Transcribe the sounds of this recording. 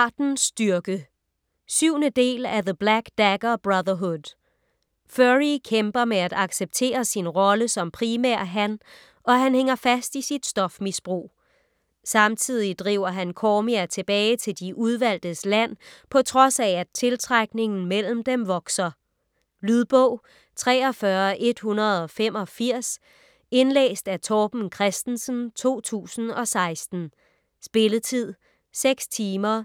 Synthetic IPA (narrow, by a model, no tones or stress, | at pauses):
d̥n̩sd̥yɐɡ̥ə | syʊ̰nəd̥e̝̰ːlæðəb̥læɡ̥d̥æɡ̥ɐb̥ʁaðˠɐɦod | føʁikʰemb̥ɐmeæd̥ɑ̈ɡ̥seb̥̚t͡sʰe̝̰ːɐsinʁɒ̽ləsɒ̽mpʰʁimæɐ̰ɦæn | ɒ̽ɦænheŋɐfæsd̥isid̥sd̥ɒ̽fmisb̥ʁo̝̰ː | sɑ̈mt͡sʰið̞̰ˠid̥ʁḭʊ̰ɐɦænkʰɒːmiæt͡sʰe̝b̥ɛːɪt͡sʰe̝ld̥iʔuð̞ˠʋæl̰d̥ð̩ˠslæn̰pʰɒ̽t͡sʰʁɒ̽sææt͡sʰe̝lt͡sʰʁaɡ̥ne̝ŋn̩mel̰m̩d̥emʋɒ̽ɡ̥sɐ | lyðˠb̥ɔʊ̰ | t͡sʰʁɛːɒ̽fɶɐʔe̝d̥hunɐð̞ˠɒ̽fem̰ɒ̽fiɐ̰s | e̝nlḛːsd̥æt͡sʰɒːb̥n̩kʰʁɛsd̥n̩sn̩t͡sʰo̝̰ːt͡sʰṵːsn̩ɒ̽sɑ̈ɪsd̥n̩ | sb̥e̝lət͡sʰið̞̰ˠ | seɡ̥st͡sʰiːmɐ